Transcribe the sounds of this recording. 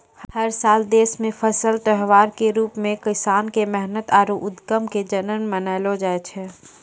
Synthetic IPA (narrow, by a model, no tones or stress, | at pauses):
hhəɾsaːld̪eːsmẽpʰəsəlt̪əɦʋaːɾkeɾuːpmẽkɪsaːnkemɛɦnət̪aːɾoʔʊd̪ɡəmked͡ʒənənmənaːɪlod͡ʒaːet͡ʃʰɛ